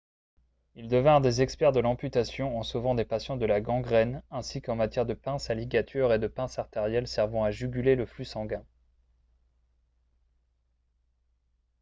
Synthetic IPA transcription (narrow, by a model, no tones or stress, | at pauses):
ild̪əvɛ̃ʁd̪ezɛkspɛʁd̪əlɑ̃pyt̪asjɔ̃ɑ̃sovɑ̃d̪epasjɑ̃d̪əlaɡɑ̃ɡʁɛnɛ̃sikɑ̃mat̪jɛʁd̪əpɛ̃saliɡʲat̪ʰyʁed̪əpɛ̃saʁt̪eʁjɛlsɛʁvɑ̃aʒyɡʲyleləflysɑ̃ɡɛ̃